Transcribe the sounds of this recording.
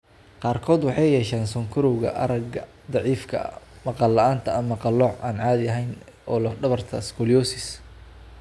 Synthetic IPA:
qɑːrkʰɔːd̪wɑħɑjjɛːʃaːnsɔŋkʰʊɾɔwɣɐ̰ʔɐ̰ɾɐɡɐ | d̪ɑʕiːfkʰɐ̰mɑqɑlːɐʔaːnt̪ʰɐɐmɑqɑlɔʕʔa̰ːnʕɑːðɪɐɦɛjn | ʔɔːlɐɖɐβɐrt̪ʰɐskʰɔljɔːsɪs

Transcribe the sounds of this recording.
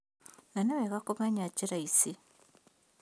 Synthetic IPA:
nanaβekakumaɲaciɾaisi

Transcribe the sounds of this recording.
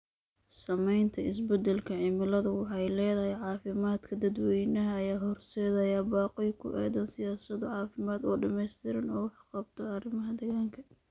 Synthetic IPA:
sɐmɛjnt̪ʰɐʔɪsbɛd̪ɛlkʰɐʕɪmɪlɐðʊwɑħɑjlɛːðɐɦɛjʕɑːfɪmaːd̪kʰɐd̪ɐd̪wɛjnɐɦɐɐjaːɦɔrsɛːðɐjaːbɑːqɪjkʰʊ̰ʔɛ̰ːðɐnsɪjaːsɐðɔʕɑːfɪmaːd̪ɔːɖɐmɛjst̪ʰɪɾɐnɔːwɑħqɑbt̪ʰɔɐrɪmɐɦɐd̪ɛɣaːŋkʰɐ

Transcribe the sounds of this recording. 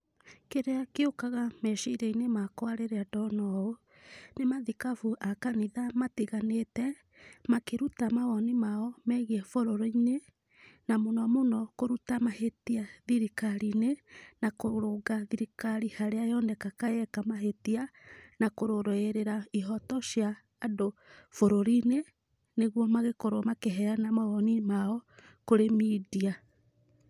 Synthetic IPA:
keɾeakeokaɣamɛʃiɾeinemakwaɾeɾeadɔnɔo | nemaðikafuʔakaniðamatiɣanetɛ | makeɾutamaɣɔnimaɔmɛɣiɛfoɾoɾɔine | namonɔmonɔkoɾutamahetiaðiɾikaɾinenakoɾoɡaðiɾikaɾihaɾeajɔndɛkakajɛkamaɦetianakoɾoɾoeɾeɾaiɦɔtɔʃjaː | dofoɾoɾine | neɣwɔmaɣekoɾomakeɦɛanamaɣɔnimaɔ | koɾemidia

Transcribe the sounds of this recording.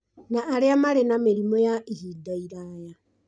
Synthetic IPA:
naːɾeamaɾenameɾimɔjaʔihiːdaiɾaja

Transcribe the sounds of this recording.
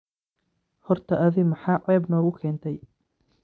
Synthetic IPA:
hɔrt̪ʰɐʔɐðɪɣmħɑːʕɛːbnɔːɣʊkʰɛːnt̪ʰɛj

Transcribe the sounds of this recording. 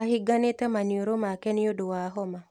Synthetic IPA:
ahɪɡanetamanjoɾomakɛniodowaɦɔma

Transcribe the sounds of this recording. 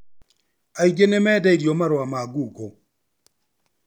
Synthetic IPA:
aiɡenemɛdɛidjomaɾʊamaɡuko

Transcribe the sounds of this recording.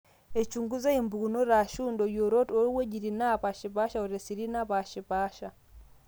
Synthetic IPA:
et͡ʃuŋɡuzaimbunoɾaʃuːndojoɾotoɾweɟiɾinapaʃipaʃaoɾesiɾinapaʃipaʃa

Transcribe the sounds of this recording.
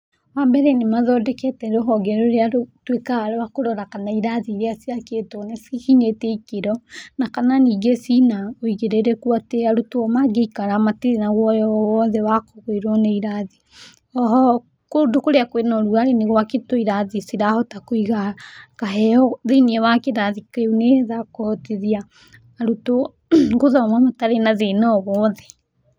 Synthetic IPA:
wambɛɾɛnemaðɔdɛkɛtɛɾoɦɔɡɛɾoɾeaɾotwekaaɾawakoɾɔɾakanaiɾaðiɾeasiaketɔnesihiɲeteikeɾɔnakananiːɡesinaoiɣeɾeɾɛkuateaɾotwɔmaɡeikaɾamatiɾenaɣwɔjɔwɔðɛwakoɣoeɾwɔneiɾaði | ɔɦɔ | kodokoɾeakwenɔɾuaɾeneɣwaketoiɾaðisiɾahɔtakoiɣakaɦɛɔðeniɛβakeɾaðikauneðakohɔteðiaː | ɾuto | ɡoðɔmamataɾenaðenɔβɔðɛ

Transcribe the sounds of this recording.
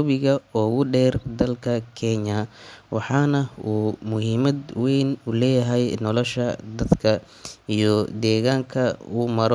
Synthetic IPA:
βɪɣɐɔːɣʊɖɛːrd̪ɐlkʰɐkʰɛɲɐwɑħɑːnɐuːmʊɦiːmɐd̪wɛjnʊlɛːjɐɦɛjnɔlɔʃɐd̪ɐd̪kʰɐ | ijɔd̪ɛːɣaːŋkʰɐuːmɐɾ

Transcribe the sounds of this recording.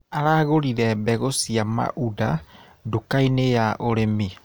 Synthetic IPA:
aɾaːɣoɾiɾɛbɛɣosiama̰ʔuda | dokainejaʔoɾemi

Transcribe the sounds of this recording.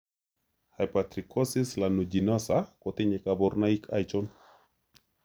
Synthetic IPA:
hajpat̪ɾikosislanud͡ʒinasakot̪eɲekaboɾnaikʰajt͡ʃon

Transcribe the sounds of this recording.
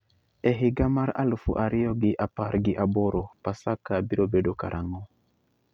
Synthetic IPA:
ɛɦiɡamaɾa̰lufṵʔaɾiɔɡiʔapaɾɡiʔabɔɾɔpasakabiɾobedoka̰ɾʔaŋɔ

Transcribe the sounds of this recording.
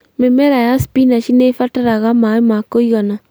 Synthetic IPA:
memɛɾajasi̥pinaʃinefataɾaɣamaemakoiɣɔna

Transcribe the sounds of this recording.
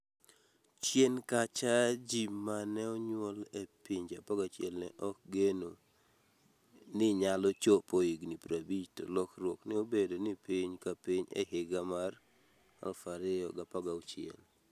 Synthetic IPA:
t͡ʃjenkat͡ʃad͡ʒimanɛɔɲwolepiɲd͡ʒapɔɡat͡ʃjɛlnɛʔɔk̚ɡeno | nɪɲalɔt͡ʃopoiɡnipɾabid͡ʒto̰lɔkrwoknɪobedonɪpiɲkapiɲḛɦɪɡamar | kɔfaɾɪjɔɡapaɡaʊt͡ʃɪɛ̰l

